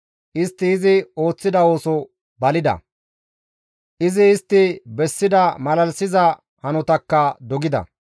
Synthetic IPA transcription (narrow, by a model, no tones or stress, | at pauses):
ʔɪst̪ːɪːzɪo̞ːt͡sːɪd̪ɐo̞ːsɔ | bɐlɪd̪ɐ̰ | ʔɪzɪːst̪ːɪbɛsːɪd̪ɐmɐlɐlsɪzɐ | hɐnɔt̪ɐkːɐd̪ɔɡɪd̪ɐ̰